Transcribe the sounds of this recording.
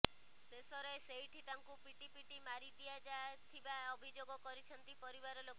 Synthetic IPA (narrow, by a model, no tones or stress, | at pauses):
sesɔɾɔeseɦiʈʰit̪aŋkupiʈipiʈimaɾid̪ijad͡ʒat̪ʰibaɔbʱid͡ʒoɡɔkɔɾit͡ʃʰɔnt̪ipɔɾibaɾɔlok